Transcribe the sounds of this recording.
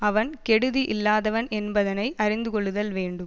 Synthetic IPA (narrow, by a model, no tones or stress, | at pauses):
ɐʋɐnkɛɽɯðiʔɪlːaːðɐʋɐnɛnbɐðɐnɐɪʔɐɾɪnd̪ɯkɔɭːɯðɐlʋeːɳɖɯm